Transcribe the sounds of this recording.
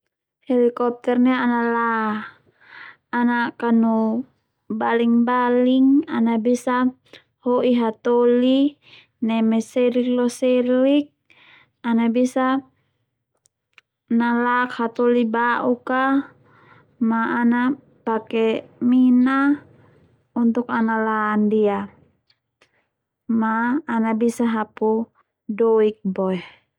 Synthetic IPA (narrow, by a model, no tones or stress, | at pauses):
hɛlikɔp̚t̪ɛrnɛanala | nakanu | baliŋbaliŋanabisa | hoʔiɦat̪ɔli | nɛmɛsɛlik̚lɔsɛlik̚ | anabisa | nalakhat̪ɔlibaʔuka | maːna | pakɛmina | unt̪ukanalaːndia | maːnabisaɦapu | dɔik̚bɔɛ